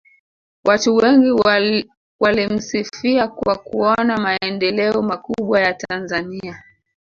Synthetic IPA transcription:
watuwɛŋɡi | walim̩sifiakwakuɔnamaɛndɛlɛɔmakuɓwajatanzania

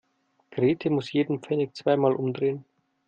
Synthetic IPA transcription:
ɡ̥ʁeːtʰəmʊsjeːdn̩pp͡fɛnɪk̚t͡sv̥aɪmaːlʔʊmdʁeːən

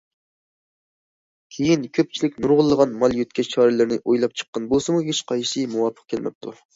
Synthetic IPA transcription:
kʲʰejinkʲʰøp̚t͡ʃʰilɪkʲnuɾʁʊlˠːəʁɑnmɑlˠjøt̪̚kʲʰɛt͡ʃʰɑːɾɪlɨɾnɪʔojlˠɑp̚t͡ʃʰə̥qːɑnbosɨmuɦet͡ʃqʰɑjʃɨmuwɑpʰːə̥q̚kʰʲelmɛ̰p̚t̪ʰu

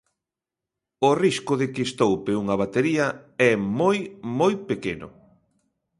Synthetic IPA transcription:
ʊriskʊðɪkɪst̪owpeuŋɐβ̞at̪eɾiɐɛmojmojpekenʊ̰

